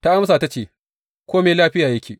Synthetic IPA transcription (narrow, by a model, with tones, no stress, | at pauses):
ta˦ʔa˦ms̬aː˨ta˦t͡ʃeː˨ | kʷoː˦meː˨laː˦ɸɪ˦jaː˨jɐ˦kʲeː˨